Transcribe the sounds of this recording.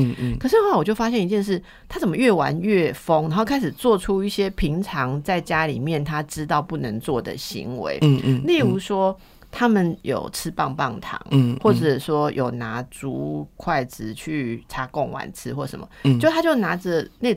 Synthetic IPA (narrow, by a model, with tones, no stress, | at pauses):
kʰɤ˨˩ʂ̬ɻ̩˥˧xa˥˧˨wɔ˨˩t͡ɕjo˥˩ʊfa˥ɕjɛ˥˩ni˧t͡ɕjɛ˥˧nʂ̬ɻ̩˥˩ | t̪ʰa˥t͡sə˨˩mə˦ɥɛ˥˩wa˧˦nɥɛ˥˩fo˥ŋna˧˥xo˥˩ʊkʰa˥ɪʂ̬̩˨˩t͡swɔ˥˩ʈ͡ʂʰu˥i˥˩ɕjɛ˥pʰi˧˥ŋʈ͡ʂʰɑ˧˦ŋt͡sa˥˩ɪt͡ɕja˥lḭ˨˩mjɛ˥˩nt̪ʰa˥ʈ͡ʂɻ̩˥t̪ɑ˥˧ʊpu˥˩nə˧˥ŋt͡swɔ˥˩d̪ə̰˩ɕḭ˧˥ŋwḛ˧˦ɪ˧˥li˥˩u˧˥ʂwɔ˥ | t̪ʰa˥mə˨njo̰˨˩ʊt͡s̩ʰ˦˥pɑ˥˧ŋpɑ˥˩ŋt̪ʰɑ̰˧˥ŋxwɔ˥˩ʈ͡ʂə˨˩ʂwɔ˥jʔo˨˩ʊna˧˥t͡su˧˥kʰwa˥˩ɪt͡sɹ̩˨˩t͡ɕʰy˥˩ʈ͡ʂʰa˧˥kɔ˥˩ŋwa̰˧˥nt͡s̩ʰ˥xwɔ˥˩ʂə̰˧˦mə̰˨t͡ɕo˥˧˥t̪ʰa˥t͡ɕjo˥˩ʊna˧˥˦ʈ͡ʂə˨ne˥˩